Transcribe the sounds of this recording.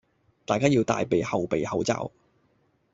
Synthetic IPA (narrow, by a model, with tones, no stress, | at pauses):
t̪aː˨jkaː˥jiː˧wt̪a̰ː˨jpe˨˧jhɐ˨wpe˨˧jhɐ˨˥wt͡sa̰ː˧w